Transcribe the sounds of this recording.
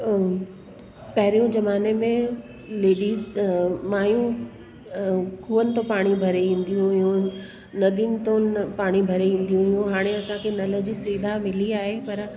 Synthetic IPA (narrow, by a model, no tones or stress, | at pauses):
pɐɦɪɾijũd͡ʑɐmaːnemẽ | leːɗiːzmaːjũ | kʰuːənɪ̆t̪õpaːɽ̃ibʱɐɾeʋĩːn̆d̪ijũɦɪɦũ | nɐd̪inɪ̆t̪õpaːɽ̃ibʱɐɾeʋĩːn̆d̪ijũɦɪɦũɦaːɽ̃eɐsãkʰenɐlə̆d͡ʑisiːd̪ʱamɪliaːɦepɐɾ